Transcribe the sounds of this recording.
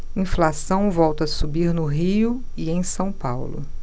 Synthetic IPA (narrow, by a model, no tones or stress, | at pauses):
ĩflasɐ̃w̃vɔwt̪ɐsubiɾnʊɦiʊ | iẽj̃sɐ̃w̃pawlʊ̰